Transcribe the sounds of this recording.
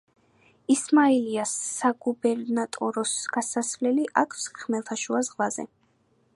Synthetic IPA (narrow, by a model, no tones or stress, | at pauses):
ismaɛliasːaɡubɛɾnat̪ʼɔɾɔsɡ̥asasvlɛliʔakʰsχmɛlˠt̪ʰaʃuazʁlazɛ̰